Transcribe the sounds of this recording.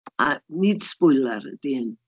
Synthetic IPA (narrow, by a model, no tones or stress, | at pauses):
anid̥spʊjlˠaɾə̰diən